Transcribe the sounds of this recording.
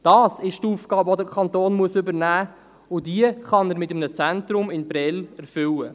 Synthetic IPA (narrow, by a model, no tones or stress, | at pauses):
d̥ɑːsɪʃtuːfɡ̥ɑːbɔd̪əkʰɑnt̪oːnmuəsʏbəɾnæː | ʊdiəχɑnəɾmɪtəmnət͡sæntɾʊmɪnbɾɛlɛɾfʏwə